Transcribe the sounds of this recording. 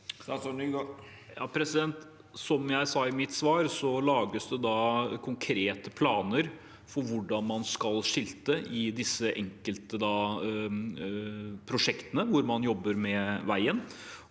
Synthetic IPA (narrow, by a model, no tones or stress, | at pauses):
ɔnyːɡ | jɑːpʰɾɛsɪd̪ɛnt̪ | sɔmjæɪsɑːɪmɪt̪sʋɑːɾsɔlɑːɡəsd̪ɛd̪ɑːkʰʊŋkʰɾeːt̪əpʰlɑːnəɾ | fɔɾʋʊɖɑnmɑnskɑlʂɪlt̪əʔɪd̪ɪsːəʔɛŋkəlt̪əd̪ɑː | pʰɾʊʂɛkt̪ənəʋʊɾmɑnjɔbːəɾmɛʋæɪən